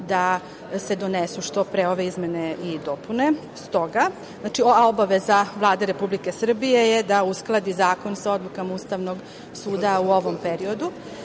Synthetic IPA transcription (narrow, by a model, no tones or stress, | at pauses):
d̪a | se̞d̪o̞nesuʃt̪o̞pɾeo̞ʋe̞izmeneid̪o̞pune | st̪o̞ɡa | znat͡ʃioao̞baʋezaʋlˠaːd̪eɾe̞publike̞sr̩bije̞jed̪ausklˠad̪izaːko̞nsao̞d̪lˠukamauːst̪aʋno̞ɡ | suːd̪auo̞ʋo̞mpe̞ɾio̞d̪u